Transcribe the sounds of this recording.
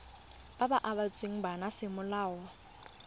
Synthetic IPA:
b̥abaʔabat͡sʼweŋ̩banasɪmʊlaːwɔ

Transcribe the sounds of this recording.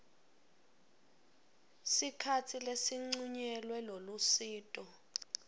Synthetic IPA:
sikʰatʰilesiŋ͡ǀuɲɛlwɛlolusiːtʼɔ

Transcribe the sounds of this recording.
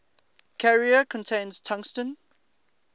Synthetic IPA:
kʰaɹiəkʰɔ̃ntʰẽɪ̃nz̥tʰʌ̃ŋkstə̃n

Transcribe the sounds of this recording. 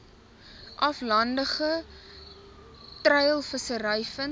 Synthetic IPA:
ʔɐflɐndəχə | trəjəlˠfəsəɾəjfən

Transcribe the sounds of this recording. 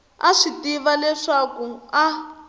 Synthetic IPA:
aʂitiβalɛʂakua

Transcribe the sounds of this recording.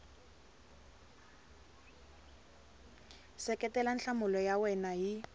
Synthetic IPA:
sɛkɛtɛlanɬamʊlɔjawɛnaji

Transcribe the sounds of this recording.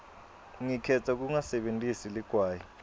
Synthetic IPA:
ŋikʰɛtʰak̬uŋasɛɓentʼisiliɡ̥ʱwaːji

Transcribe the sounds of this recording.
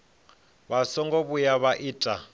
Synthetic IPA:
βasɔŋɡɔβujaβaʔiːtʼa

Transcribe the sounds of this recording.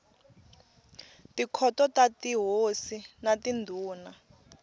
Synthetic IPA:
tikʰɔtɔtatiɦosinatindʱuːna

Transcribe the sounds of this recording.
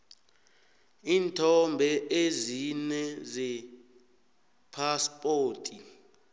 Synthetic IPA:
iːntʰɔmbʱɛʔezinɛzɛ | pʰaspʼoːtʼi

